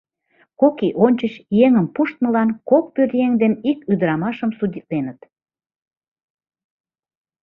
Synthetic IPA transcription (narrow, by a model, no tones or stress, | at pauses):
kokiʔonʲt͡ɕət͡ɕjeŋəmpuʃt̪̚məlɑnkok̚pøɾjeŋd̪enikyd̪əɾɑmɑʃəmsudʲit̪̚lenət̪